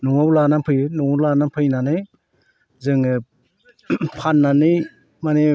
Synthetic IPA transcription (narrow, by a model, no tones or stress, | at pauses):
nɔwawlanampʰɯjɯnɔwlanapʰɯjnanɯj | zɯŋɯ | pʰanːanɯj | mane